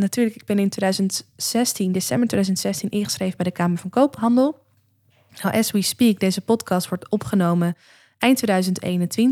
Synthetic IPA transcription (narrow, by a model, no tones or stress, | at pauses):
natyːɹləkɪɡ̚bɛnɪntʋedœɥzəntsɛstindesɛmbəɹteːdœzəntsɛstinʔɪŋχə̥sχrejvəbɛjdəkaːməɹvɑ̃nkowpɦɑndəlˠ | nawʔɛswispik̚dejzəpɔtkɑstʋɔɹtɔpχənowmən | ɛjntːʋedœɥzəntḛjnəntʋɪn